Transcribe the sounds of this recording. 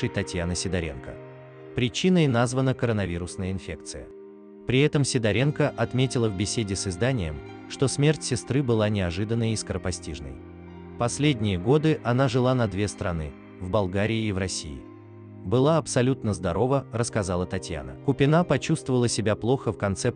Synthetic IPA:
ʂɨjt̪ɐtʲjanəsʲɪd̪ɐɾʲḛnkə̰ | pɾʲɪt͡ɕinəjnazvənəkəɾənɐvʲiɾʊsnəjəɪnfʲe̞k̚t̪sɨjə | pɾʲɪɛt̪əmsʲɪd̪ɐɾʲenkəʔɐt̪mʲetʲɪlˠəvbʲɪsʲedʲɪsɨzd̪anʲɪjəm | ʂt̪o̞smʲe̞rtʲsʲɪst̪ɾɨbɨlˠanʲɪɐʐɨd̪ənːəjɪskəɾəpɐsʲtʲiʐnə̰j | pɐsʲlʲedʲnʲɪjəɡo̞d̪ɨʔɐnaʐɨlˠanɐd̪vʲe̞st̪ɾɐnɨ̰ | vbɐlˠɡaɾʲɪɪːvrɐsʲḭjɪ̰ | bɨlˠaɐpsɐlʲut̪nəzd̪ɐɾo̞vərəskɐzalˠət̪ɐtʲja̰nə̰kʊpʲɪnapɐt͡ɕust̪vəvəlˠəsʲɪbʲaplˠo̞xəfkɐnt̪sɛp

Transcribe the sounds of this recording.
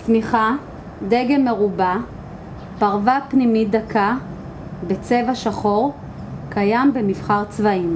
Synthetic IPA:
smiχa | deɡemeʁuba | paʁvapnimid̪akʰa | bet͡se̞vaʃaχo̞ʁ | kajambemifχaʁt͡svaim

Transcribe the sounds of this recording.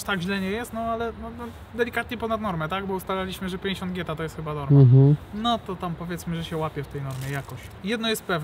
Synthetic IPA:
ʂt̪aɡʑlɛɲɛjɛst̪nɔalɛnɔnɔ | d̪ɛlʲikat̪ɲɛpɔnad̪nɔɾmɛt̪aɡbɔust̪alalʲiɕmɘʐɛpʲjɛ̃ɲd͡ʑeɕɔnd̪̚ɡʲɛt̪at̪ɔjɛst̪xɘbad̪ɔɾaɦ̩nɔt̪ɔt̪ampɔvʲjɛt̪smɘʐɛɕɛwapʲjɛft̪ɛjnɔɾmʲjɛjakɔɕ | jɛd̪nɔjɛst̪̚pɛvnɛ

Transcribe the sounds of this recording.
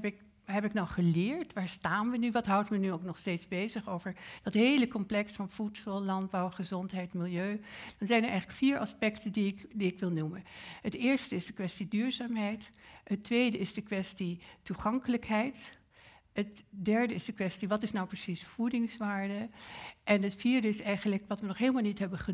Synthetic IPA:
pɪk | ɦɛpɪknawχəlɪːɹtʋaːɹstaːnʋənyʋɑtɦʌwtmənyowknɔχstejtzbejzəχowvəɹd̥ɑtɦejləkɔmplɛksfɑnfutsɑlˠlɑnd̚bɑwχəzɔntɦɛjtmɪlˠjøɥd̥ɑnzɛjnəɹɛ̰jχləkfiːɹʔɑspɛktəndiɪkdiɪkʋɪlˠnumənɦətɪːɹstəɪzdəkʋɛstidyːɹzaːmɦɛjtɦətːʋejdəɪzdəkʋɛstituχɑŋkələkɦɛjt | ɦətdɛɹdəɪzdəkʋɛstiʋɑtɪsnawprəsisfudɪŋsʋaːɹdəʔɛnɦətfiːɹdəɪsɛjχənləkʋɑtʋənɔχɦelˠmalˠnitɦɛbəχə

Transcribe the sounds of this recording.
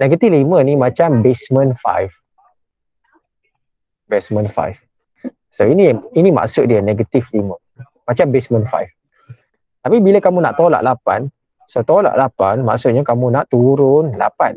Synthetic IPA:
nɛɡət̪iflimə̃nimãt͡ʃambesmə̃nfa̰jf | besmə̃nfa̰jf | soiniinima̰ʔsʊt̪̚diəneɡət̪iflimə̃ | mat͡ʃambesmə̃nfa̰jf | t̪apibiləkamuna̰ʔt̪ola̰ʔlapa̰n | sot̪ola̰ʔlapanma̰ʔsʊt̪̚ɲakamunaʔt̪uɾʊnla̰pan

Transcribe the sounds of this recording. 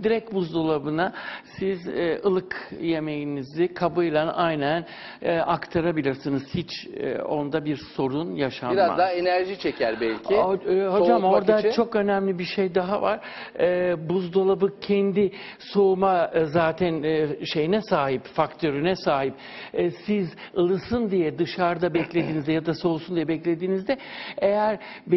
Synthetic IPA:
d̪iɾɛcbuzd̪olˠabɯnasizɛːɯlˠɯkje̞me̞jinizikʰabɯjlˠanajnænː | akt̪ʰaɾabilʲiɾsinɯz̥hit͡ʃʰːo̞̰nd̪abiɾso̞ɾunjaʃamiɾaza̰d̪aenæɾʒit͡ʃʰecʰæɾbɛlʲcʰihod͡ʒamoɾd̪at͡ʃʰo̞kø̞næmlʲibiɾʃejd̪aɦava̰ɾ̥ | ɛːbuzd̪o̞lˠabɯk̚cʰɛnd̪i | so̞umazaːt̪ʰænʃe̞jinɛsaːɦipfakt̪ʰøɾynɛsaːɦip̚ː | sizɯlˠɯsɯnd̪ijɛd̪ɯʃaɾd̪abɛclʲe̞d̪iːnizd̪ɛjad̪aso̞usund̪ijɛbɛclʲe̞d̪iːnizd̪ɛejæɾ | b

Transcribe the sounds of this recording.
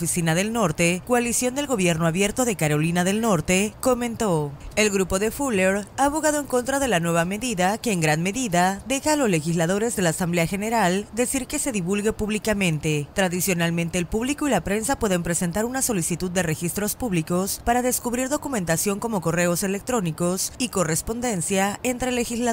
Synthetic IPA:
fisinaðe̞lno̞ɾt̪e̞ko̞alisjo̞nd̪e̞lɣo̞βje̞ɾno̞aβje̞ɾt̪o̞ðekaɾo̞linaðe̞lno̞ɾt̪e̞ko̞mẽ̞nt̪o̞e̞lɣɾupo̞ðe̞fuleɾaːβo̞ɣaðo̞e̞ŋko̞nt̪ɾaðe̞lanwe̞βame̞ðiðake̞ːŋɡɾanme̞ðiðad̪e̞xaːlo̞zle̞xizlaðo̞ɾe̞zðe̞laːsambleaxe̞ne̞ɾald̪e̞siɾke̞se̞ðiβulɣe̞puβlikamẽnt̪e̞t̪ɾaðisjo̞nalmẽnt̪e̞ːlpuβliko̞ilapɾe̞nsapwe̞ðe̞mpɾe̞se̞nt̪aɾunaso̞lisit̪uðːe̞re̞xist̪ɾo̞spuβliko̞spaɾaðe̞skuβɾiɾðo̞kume̞nt̪asjo̞ŋko̞mo̞ko̞re̞o̞se̞le̞k̚t̪ɾo̞niko̞sikore̞spo̞nd̪e̞nsjae̞nt̪ɾe̞le̞xizla

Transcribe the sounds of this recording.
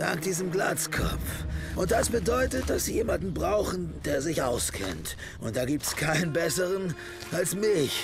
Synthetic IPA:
d̥a̰ŋk̚d̥iːzəmɡla̰ːt͡skʰɔ̰p͡fʔʊnt̚d̥asb̥ədɔʏtət̚d̥asz̥iːjeːmandn̩bʁaʊxn̩d̥eːɐzɪçʔa̰ʊskʰɛ̰nt | ʔʊnt̚d̥aːɡiːp̚tɛ̥skʰaɪnənbɛsəʁən | ʔalsmɪç

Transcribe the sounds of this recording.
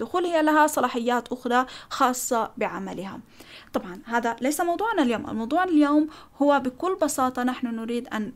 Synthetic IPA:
d̪̥ʊxuːlhɪjːalaɦasˤɑlɑːħɪjːaːt̪ʔʊxɾˤɑxɑːsˤːɑbɪʕamalɪha̰t̪ˤɑbʕɑnhaːðalejsamɑwd̪ˤuːʕnaljoːmʔa̰lmɑwd̪ˤuːʕɪljoːmhʊwːabɪkʊlːbɑsɑːt̪ˤɑnaħnʊnʊɾiːd̪ʔa̰n

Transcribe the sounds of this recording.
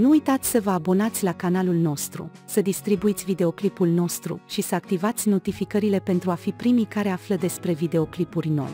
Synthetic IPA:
nuujt̪at̪sʲsəvəabo̞nat̪sʲlakanalulno̞st̪ɾṵ | səd̪ist̪ɾibuit̪sʲvid̪e̞o̞klipulno̞st̪ɾṵʃisəak̚t̪ivat̪sʲno̞t̪ifikəɾile̞pe̞nt̪ɾuafipɾimikaɾeafləd̪e̞spɾe̞vid̪e̞o̞klipurʲno̞̰j

